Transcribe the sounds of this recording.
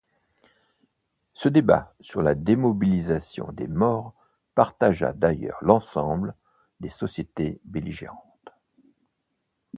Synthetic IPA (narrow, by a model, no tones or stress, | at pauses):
səd̪eba̰syʁlad̪emɔbilizasjɔ̰̃d̪ḛmɔːʁ | paʁt̪aʒa̰d̪ajœ̰ʁlɑ̃sɑ̃bl | d̪esɔsjet̪ebeliʒḛʁɑ̃t̪